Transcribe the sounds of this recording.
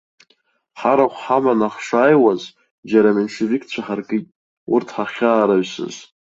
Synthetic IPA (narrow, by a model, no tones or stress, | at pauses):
ħaɾaχʷħamanaχʃʷaːjwaz | d͡ʒaɾamenʃevikʰt͡ɕʷʰaħarkʼitʼ | ʊ̰rtʰħaχʲaːɾaɥsɨ̰z